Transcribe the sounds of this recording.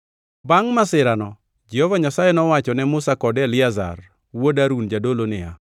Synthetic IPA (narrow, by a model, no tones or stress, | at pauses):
baŋmasɪɾanɔ | d͡ʒɛhɔvaɲasajenɔwat͡ʃɔnɛmʊsakɔdɛlɪaza̰r | wodaɾund͡ʒadolonɪa̰